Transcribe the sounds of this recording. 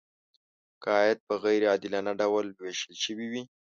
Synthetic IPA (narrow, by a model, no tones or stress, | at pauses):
kəjad̪̚pəɣajɾɑd̪ɪlanaɖawalweʃəlʃəwiwi